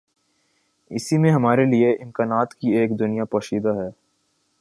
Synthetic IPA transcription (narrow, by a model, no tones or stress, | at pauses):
ɪ̰simẽɦɐmaːɾelieʔɪ̃mkaːnaːt̪kieːkd̪ʊnijapɐʃiːd̪aɦɛː